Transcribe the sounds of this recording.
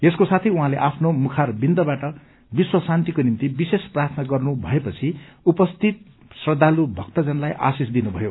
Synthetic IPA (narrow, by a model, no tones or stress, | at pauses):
eskosat̪ʰijuɦãleʔapʰnomukʰarbind̪ʌbaʈʌ | biswʌsant̪ikonimt̪ibisesprart̪ʰnaɡʌrnubʱʌepʌt͡sʰiupʌst̪ʰit̪̚ | srʌd̪ʱːalubʱʌk̚t̪ʌd͡zʌnlajʔa̰sisd̪inubʱʌjo